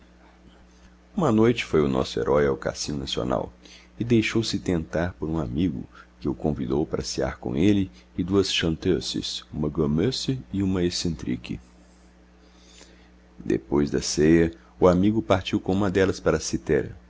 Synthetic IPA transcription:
ũmɐnojt͡ʃɪ̥fojʊnɔ̰sʊḛɾʔɔjawka̰sĩnʊnasio̰na̰w | ɪd̪ejʃowsɪt̪ẽnt̪aɾpoɾũamiɡʊ̰kɪʊkõvid̪owpaɾɐsia̰ɾkõ̰elɪːd̪uɐsʃɐ̃nt̪øsɪ̰sũmɐɡomesɪũmɐesẽnt̪ɾḭkɪ̰ | d̪ḛpojzd̪ɐsejɐ | ʊamiɡʊpaɾt͡ʃiwkõũmɐd̪ɛlɐspaɾɐsit̪ɛɾɐ̰

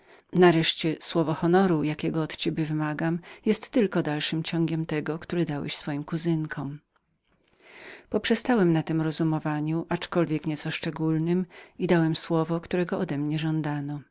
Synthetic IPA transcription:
naɾɛʂt͡ɕɛswɔvɔxɔnɔɾujakʲɛɡɔːt̪t͡ɕɛbʲjɛvɘmaɡamjɛst̪ːɘlkɔd̪alʂɘmt͡ɕɔŋɡʲɛmt̪ɛɡɔkt̪uɾɛd̪awɛ̰ɕsfɔjimkuzɘŋkʰɔ̃m | pɔpʂɛst̪awɛmnat̪ɘmɾɔzumɔvaɲuʔat͡ʂkɔlvʲjɛkɲɛt̪sɔʂt͡ʂɛɡulnɘmid̪awɛmswɔvɔkt̪uɾɛɡɔɔd̪ɛmɲɛʐɔnd̪anɔ

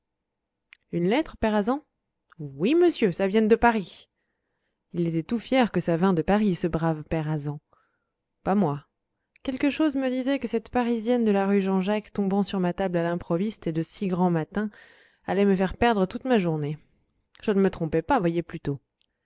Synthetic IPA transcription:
ynlɛt̪χəpɛʁazɑ̃ | wiməsjøsavjɛnd̪əpaʁi | ilet̪ɛt̪ufjɛʁkəsavɛ̃d̪əpaʁisəbʁavpɛʁazɑ̃ | pamwa | kʲɛlkəʃozməd̪izɛkəsɛt̪paʁizjɛnd̪əlaʁyʒɑ̃ʒakt̪ɔ̃bɑ̃syʁmat̪ablalɛ̃pχɔvist̪ed̪əsiɡʁɑ̃mat̪ɛ̃ | a̰lɛməfɛʁpɛʁd̪ʁət̪ut̪maʒuʁne | ʒ̥ənəmət̪χɔ̃pɛpavwajeplyt̪o

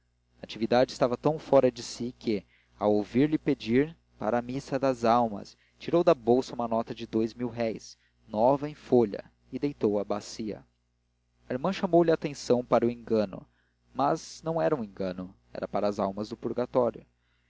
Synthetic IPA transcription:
at͡ʃivid̪ad͡ʒɪst̪avɐt̪ɐ̃w̃fɔɾɐd͡ʒɪsikʰɪ | awowviɾlɪped͡ʒiɾ | pa̰ɾɐːmisɐd̪ɐzawmɐ̰s | t͡ʃiɾowd̪ɐbowsɐũmɐnɔt̪ɐd͡ʒɪd̪ojzmiwɦɛjs | nɔvɐẽj̃foʎɐ̰ | ɪd̪ejt̪owɐbasiɐ̰ | ɐiɾmɐ̃ʃɐmowlɪat̪ẽsɐ̃w̃paɾʊẽŋɡɐ̃nʊ̰ | mɐznɐ̃w̃ɛɾɐũẽŋɡɐ̃nʊ | ɛ̰ɾɐpaɾɐːzawmɐzd̪ʊpuɾɡat̪ɔɾjʊ

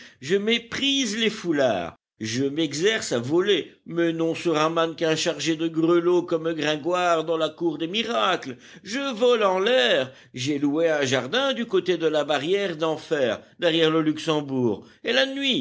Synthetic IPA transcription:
ʒəmepχizlefula̰ːʁ | ʒəmɛɡzɛʁsavɔlemɛnɔ̃syʁãmankɛ̃ʃaʁʒed̪əɡʁəlokɔmləɡʁɛ̃ɡwaʁd̪ɑ̃lakuʁd̪emiʁakl | ʒəvɔlɑ̃lɛʁ | ʒɛlueɛ̃ʒaʁd̪ɛ̃d̪ykot̪ed̪əlabaʁjɛʁd̪ɑ̃fɛːʁd̪ɛʁjɛʁləlyksɑ̃buːʁ | elanɥi

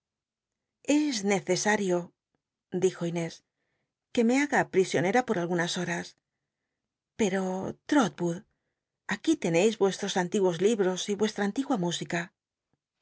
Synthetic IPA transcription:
e̞zne̞θe̞saɾjo̞ | d̪ixo̞ine̞s | ke̞me̞aɣapɾisjo̞ne̞ɾapo̞ɾalɣunaso̞ɾas | pe̞ɾo̞t̪ɾot̪̚buð | akit̪e̞ne̞jzβwe̞st̪ɾo̞sant̪iɣwo̞zliβɾo̞siβwe̞st̪ɾaːnt̪iɣwamusika

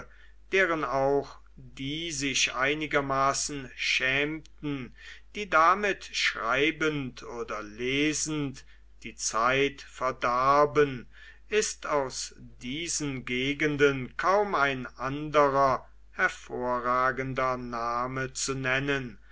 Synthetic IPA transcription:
d̥eːʁənaʊx | d̥iːzɪʃʔaɪnɪɡɐmaːsn̩ʃɛːmtn̩d̥iːdamɪtʃʁ̥aɪbəntʰoːdɐleːzn̩t | d̥iːt͡saɪtfɛɐdɛɐbən | ʔɪstaʊsd̥iːzənɡeːɡəndənkʰaʊmaɪnʔandəʁɐ | hɛɐfoːɐʁaːɡəndɐnaːmət͡sunɛnən

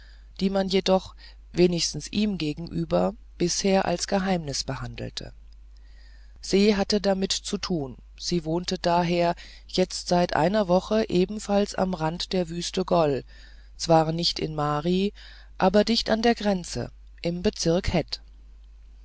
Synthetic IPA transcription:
d̥iːmanjedɔχ | veːnɪçstn̩sʔiːmɡeːɡŋ̩ʔyːbɐ | b̥ɪsheːɐʔa̰lsɡ̥əɦaɪmnɪsb̥əhandl̩tʰə̰ | z̥eːɦatədamɪtt͡sutʰuːn | z̥iːvoːntədaːɦeːɐ | jɛt͡stz̥aɪtʔa̰ɪnɐvɔχəʔeːbm̩falsa̰mʁantd̥eːɐvyːstəɡɔl | t͡sv̥aːɐnɪçtɪ̰nmaːʁi | ʔaːbɐdɪçtandeːɐɡʁɛnt͡sə̰ | ʔɪmbət͡sɪɐkhɛt

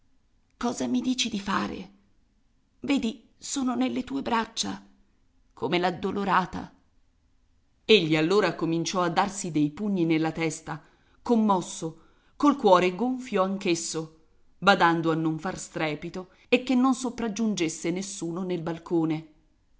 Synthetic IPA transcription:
kɔːzamid̪iːt͡ʃid̪ifa̰ːɾḛ | vɛːd̪i | soːnonelːet̪uːebɾat͡ʃːa | kʰomelad̪ːoloɾaːt̪a̰ | eʎːialːoːɾakomint͡ʃɔad̪ːarsid̪ejpuɲːinelːat̪ɛst̪a | komːɔsːo | kolkwɔːɾeɡoɱfjoaŋkesːo | bad̪and̪oanːoɱfarst̪ɾɛːpit̪o | ekːenːonsopɾad͡ʒːund͡ʒesːenesːuːnonelbalkoːne

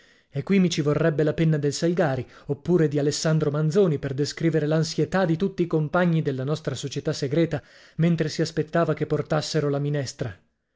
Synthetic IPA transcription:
ekːwimːit͡ʃivorːɛbːelapenːad̪elsalɡaːɾiopːuːɾed̪ialesːand̪ɾomand̪zoːniperd̪eskɾiːveɾelansjet̪ad̪ːit̪ut̪ːiːkompaɲːid̪elːanɔst̪ɾasot͡ʃet̪asːeɡɾɛːt̪a | ment̪ɾesiaspet̪ːaːvakepːort̪asːeɾolaminɛst̪ɾa

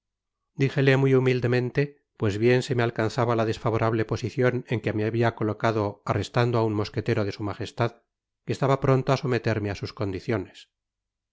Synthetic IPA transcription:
d̪ixe̞le̞mujumild̪e̞mẽ̞nt̪e̞ | pwe̞zβje̞nse̞me̞alkanθaβalaðe̞sfaβo̞ɾaβ̞le̞po̞siθjo̞ne̞ŋkemeaβiako̞lo̞kaðo̞are̞st̪and̪oaunmo̞ske̞t̪e̞ɾoðe̞sumaχe̞st̪að | kest̪aβapɾo̞nt̪oaso̞me̞t̪e̞ɾmeasusko̞nd̪iθjo̞ne̞s

